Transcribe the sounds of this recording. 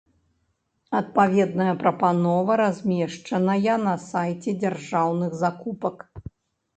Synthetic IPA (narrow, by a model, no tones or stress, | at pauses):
ɐt̪̚pavʲɛd̪nɐjɐpɾɐpanɔvɐɾazʲmʲɛʂt͡ʂɐnɐjɐnɐsajt͡sʲɛd͡zʲarʐawnɨɣzakupɐk